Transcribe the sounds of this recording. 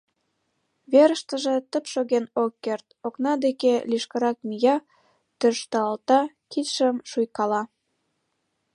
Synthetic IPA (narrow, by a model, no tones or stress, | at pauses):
βeɾə̆ʃt̪ə̆ʒĕt̪ə̆pʃoɣenokːert̪oknɑd̪ekeliʃkə̆ɾɑk̚mijɑ | t̪øʃt̪ɑɑlt̪ɑ | kit̪ʃəmʃujkɑlɑ